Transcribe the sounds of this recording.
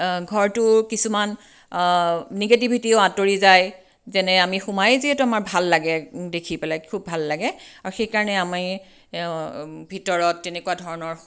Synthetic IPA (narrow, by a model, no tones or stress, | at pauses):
ɡʱɔɹtʊkisuman | iɡet̬ibʱitieʊatoɹizaj | zɛnɛamixumajeziɛtuamaɹbʱalːaɡɛdekʰipɛlajkʰubʱalːaɡɛaɹuxejkaɹɔnɛamaɹ | bʱitɔɹɔtːɛnɛkuadʱɔɹɔnɔɹ